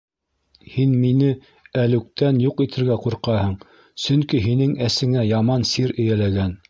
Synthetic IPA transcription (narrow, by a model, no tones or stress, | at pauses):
hinminɘ | ælɘ̆k̚t̪ænjuqit̪ʰɘ̆ɾɡæquɾqɑhɤɴ | sɵ̆ŋkiɦinɘŋæsɘ̆ŋæjɑmɑnsiɾɘ̆jælæɡæn